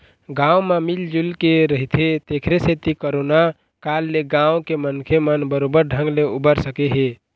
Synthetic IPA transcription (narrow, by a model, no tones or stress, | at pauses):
ɡãwmamild͡ʒulkeɾəɦit̪ʰet̪ekʰɾeset̪ikoɾona | kalːeɡãwkemənkʰemənbəɾobəɾɖʱə̃ŋɡleubəɾsəkeɦe